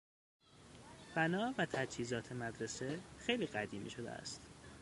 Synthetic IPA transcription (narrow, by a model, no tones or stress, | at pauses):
b̥ænɒːvæt̪ʰæd͡ʒhiːzɒːt̪ʰe̞mæd̪ɾesexejliːɣæd̪iːmḭːʃo̞d̪ḛæ̰st̪